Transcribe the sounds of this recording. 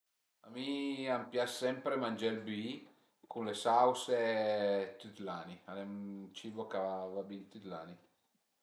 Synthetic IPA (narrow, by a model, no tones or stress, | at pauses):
a̰miampjasɛmpɾemand͡ʒalbii | kunlesawse | t̪it̪lanialet͡ʃibokavabint̪it̪la̰ːni